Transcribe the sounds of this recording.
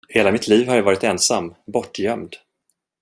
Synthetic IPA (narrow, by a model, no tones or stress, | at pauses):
heːlamɪt̪ʰliːvhaɾjavɑːɾɪt̪ɛnsamːbɔʈːjœmd̪